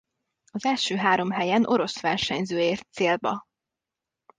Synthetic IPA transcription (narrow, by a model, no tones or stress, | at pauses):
ɒzɛlʃøːɦaːɾo̞mɦɛjɛnʔo̞ɾo̞sʋɛrʃɛɲzøːeːrt̪seːlbɒ